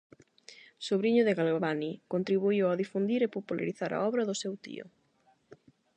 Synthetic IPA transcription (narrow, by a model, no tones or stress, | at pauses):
soβɾiɲʊðɪɣalβanikont̪ɾiβuiwaðifund̪iɾepopula̰ɾiθaɾa̰ɔβɾɐðʊsewt̪ḭʊ̰